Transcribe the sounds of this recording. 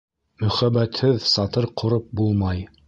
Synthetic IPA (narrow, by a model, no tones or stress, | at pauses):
mɵ̆χæbːæt̪hɘðsɑt̪ɤɾqʰŏɾɤp̚bulˠmɑj